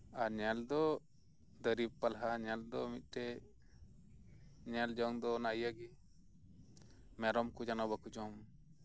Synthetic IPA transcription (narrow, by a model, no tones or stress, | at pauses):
aɾɲɛld̪ɔ | d̪əɾib̚palɦaɲɛld̪ɔmit̪̚ˀʈɛ | ɲɛld͡ʒɔŋd̪ɔnajaɡi | mɛɾɔmkud͡ʒanabakud͡ʒɔm